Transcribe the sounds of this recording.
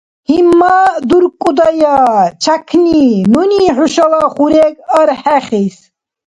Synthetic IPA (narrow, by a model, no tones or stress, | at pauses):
himːad̪uɾkʼud̪ajat͡ʃʰakʰninɔniːħuʃalaχuɾɛkəɾħɛχis